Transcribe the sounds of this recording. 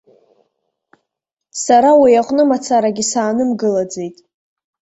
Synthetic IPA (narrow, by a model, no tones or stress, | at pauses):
saɾawijaqʷʼnɨmat͡sʰaɾaɡʲisaːnɨmɡɨlad͡ze̞jtʼ